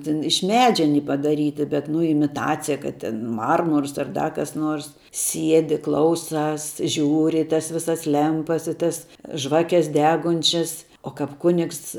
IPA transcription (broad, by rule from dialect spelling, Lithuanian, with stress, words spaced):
ˈtʲɪn ɪʃ ˈmʲæːd͡ʒʲɛ ɐˈnʲiː pɐdɐˈrʲiːtʲɪ bʲɛt nʊ ɪmʲɪˈtɑːt͡sʲɪjɛ ˈkɐt tʲɛn ˈmɐrmʊrs ɐr ˈdɐ kɐs ˈnoːrs ˈsʲiɛdʲɪ ˈklˠɐʊˌsɑːs ˈʒʲuːrʲɪ ɪ tɐs ˈʋʲɪsɐs ˈlʲɛmpɐs ɪ ˈtɐs ˈʒʋɑːkʲɛs ˈdʲæːɡʊnʲt͡ʃʲɛs oː kɐp ˈkʊnʲɪks